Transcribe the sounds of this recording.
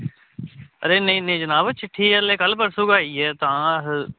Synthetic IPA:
əɾeːnəĩːnẽːd͡ʒənaːʋət͡ʃʰɪʈʰːiːɛlːeːkəlpəɾsʊɡaːiːɛːt̪ãːɦ

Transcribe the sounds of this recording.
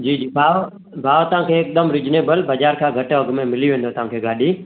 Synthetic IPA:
d͡ʒiːd͡ʒiːbʱaːʋ | bʱaːʋt̪əʋ̤ãːkʰeːk̚d̪əmɾɪd͡ʒneːbəlbəd͡ʒaːɾkʰãːɡʱəʈəɡmẽmɪlijʋẽːnd̪oːt̪əʋãːkʰeːɡaːɗiː

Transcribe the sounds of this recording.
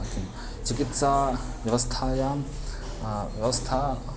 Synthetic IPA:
k̪ʰin | t͡ʃikit̪saʋjɐʋɐst̪ʰaja | ʋjɐʋɐst̪ʰa

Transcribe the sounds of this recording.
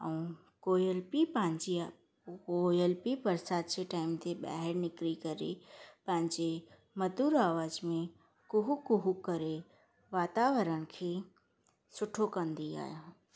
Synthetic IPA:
ə̰ũ | koːjəlpipɐ̃ɦɪ̃ɲd͡ʑi | ojəlpipɐɾsaːd̪̚t͡ɕeʈaːɪmt̪ʰeɓa̰ɦəɾnɪkɾikɐɾḛpɐ̃ɦɪ̃ɲd͡ʑe | mɐd̪uːɾaːʋaːzmẽ | kʊɦukʊɦukɐɾe | ʋaːt̪aːʋəɾəñ̆kʰeː | sʊʈʰokɐ̃nd̪ia̰ːjo

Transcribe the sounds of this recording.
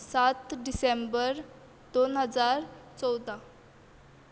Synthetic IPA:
sat̪ɖisembəɾ | d̪onɦəd͡zaɾt͡sɔwd̪a

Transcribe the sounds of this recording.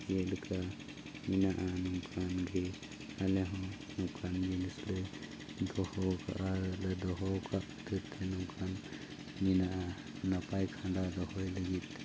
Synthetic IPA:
elɯkʰa | minaʔanuŋkʰanɡʱe | aleɦɔ | nukʰanɡilislɯj | d̪ɔhɔwka̰ʔaɾɯlɯd̪ɔɦɔwkʰaʔ | d̪ʰɯt̪ʰenuŋkʰan | minaʔa | napajkʰandad̪ɔhɔjləɡit̪̚

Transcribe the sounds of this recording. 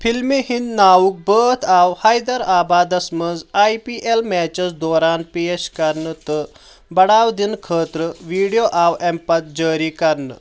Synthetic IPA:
fʰilmihind̪nawuk̚bəːt̪ʰawhajd̪əɾaːbaːd̪ɐsməd͡zajpiʔelmɛt͡ɕət͡sd̪ɔːɾaːnpieskɐɾnət̪ə | bɐɽaːwd̪inkʰəːt̪ɾəʋiɽijoʔawɛmpat̪̚d͡ʑəːɾikɐɾnə̰

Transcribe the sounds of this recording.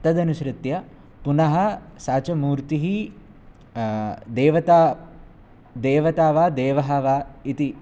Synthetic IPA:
t̪ɐd̪ɐnuʃɾɪt̪jɐ | punɐɦɐsaːt͡ʃɐmuːɾt̪iɦi | d̪eːʋɐt̪aː | d̪eːʋɐt̪aːʋaːd̪eːʋɐɦɐʋaːit̪i

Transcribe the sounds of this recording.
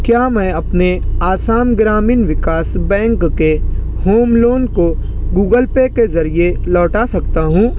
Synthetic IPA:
kjaːmɛ̃ːɐpneaːsaːmɡɾaːmiːnʋɪkaːsbɛ̃ːŋkːe | hoːmloːnko | ɡuːɡəlpekezɐɾielɔːʈasɐkt̪aɦũː

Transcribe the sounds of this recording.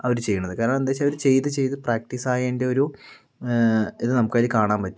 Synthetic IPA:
ɐʋɐɾut͡ɕe̞jːuɳːɐðɨkaːɾɐɳɐmend̪aːt͡ɕːɐʋɐɾut͡ɕe̞jt̪ɨt͡ɕe̞jt̪ɨpraːk̚ʈisaːjɐinde̞o̞ɾu | iðɨnɐmukːaːilikaːɳaːmpɐtːu

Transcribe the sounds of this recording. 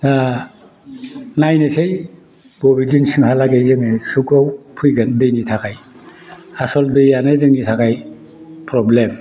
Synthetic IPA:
ta | najnɯsej | bɔbid͡ʒinsiŋhalaɡejzemesukawpʰujɡɯndɯjnitʰakʰaj | asɔldɯjanɯzɯŋnitʰakʰaj | pʰɾɔblem

